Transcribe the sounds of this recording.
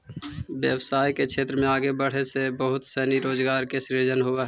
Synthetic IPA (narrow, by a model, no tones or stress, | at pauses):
ʋjəwsaːjkekʃʰeːt̪ɾəmẽaːɡebəɽ̤esebəɦʊt̪sɛːniɾoːd͡ʒɡaːɾkesɾid͡ʒənɦʊe